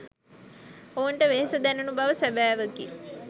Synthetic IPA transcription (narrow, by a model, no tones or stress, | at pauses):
ouɳʈəʋeɦesəd̪ænunubaʋəsæbæːʋəkḭ